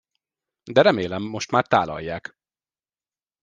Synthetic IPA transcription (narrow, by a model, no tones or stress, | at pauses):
d̪ɛɾɛmeːlɛmːo̞ʃt̪maːrt̪aːlɒ̰jːaːk